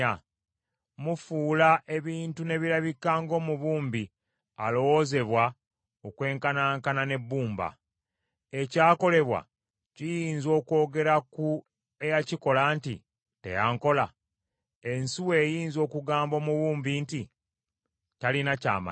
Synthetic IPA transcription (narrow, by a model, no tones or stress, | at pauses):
mufuːlaʔe̞βiːntune̞βiɾaβikːaːŋɡo̞ːmuβuːmbi | alo̞woze̞βwa | okwe̞ːŋkanaːŋkanane̞bːuːmba̰ | e̞caːko̞le̞βwa̰ | cijiːnzo̞ːko̞ːɡe̞ɾaku | ejaciko̞laːntḭ | te̞̰jaːŋko̞la | e̞nsiwe̞ːjiːnzo̞ːkuɡaːmbo̞ːmuβuːmbinti | talinaca̰ːma̰